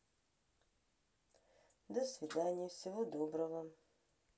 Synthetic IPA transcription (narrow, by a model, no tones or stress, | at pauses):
dɐsvidaːnʲijɛfsɪvodobrɐʁɐm